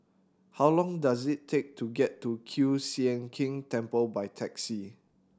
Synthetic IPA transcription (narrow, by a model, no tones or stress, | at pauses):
hawlɔ̃ŋdazɪtʰːek̚tuɡɛtːukʰjusiɛ̃nkʰĩŋtɛ̃mpəlbajtʰɛksi